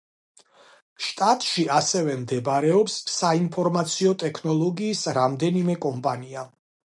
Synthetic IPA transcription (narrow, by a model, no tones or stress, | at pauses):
ʃt̪ʼat̪ʼʃiasɛvɛmd̪ɛbaɾɛɔpsːainpʰɔɾmat̪sʰiɔt̪ʼɛkʰnɔlˠɔɡiːsɾamd̪ɛnimɛkʼɔmpʼania